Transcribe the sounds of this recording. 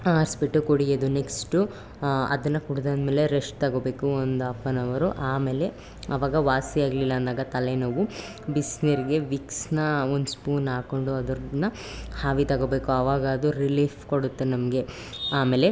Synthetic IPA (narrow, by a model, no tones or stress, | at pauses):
aːɾsbiʈːukoɽijed̪une̞ksʈu | ɐ̰d̪ɐnːɐkuɽud̪ɐnd̪meːle̞ɾeʂʈt̪ɐɡobe̞ːkuond̪uɐpːɐnɐʋɐɾuʔaːme̞ːle̞ | ɐʋaːɡɐʋaːsiaːɡlilːɐːnd̪aːɡɐt̪ɐlenɐʋu | bisniɾiɡe̞ʋiksnɐond̪uspuːnaːko̞ɳɖuɐd̪ɐɾnɐ | haːʋit̪ɐɡo̞ːbe̞ːkuɐʋaːɡɐɐd̪uɾiliːfko̞ɽut̪ːenɐmɐɡe̞ | aːmeːle̞